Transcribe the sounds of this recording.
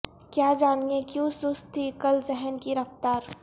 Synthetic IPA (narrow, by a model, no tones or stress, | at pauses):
kjaːd͡ʒaːniekjũsʊst̪ʰːikɐlzɛɦɛnkiɾɐft̪aːɾ